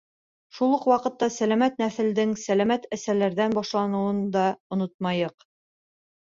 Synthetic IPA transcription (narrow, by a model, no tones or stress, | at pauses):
ʃulˠɤqwɑqɤ̆t̪ːɑsælæmæt̪næθɘ̆ld̪ɘŋsælæmæt̪æsælæɾðænbɑʃlˠɑnɤ̆wɤnd̪ɑŏnot̪̚mɑjɤq